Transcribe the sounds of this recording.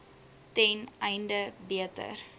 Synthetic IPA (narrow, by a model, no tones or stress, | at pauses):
tɛnɛjndəbiətə̰r